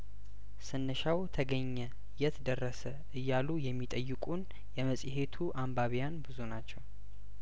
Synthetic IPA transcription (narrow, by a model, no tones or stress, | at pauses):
sɨnːəʃawt̪ʰəɡəɲːɛ | jɛt̪ʰd̪ərːəsə | ɨjːalujɛmːit̪ʼəjːɪkʼun | jɛməsʼihe̞t̪ʰuʔambaβijanbɨzunat͡ʃːɛw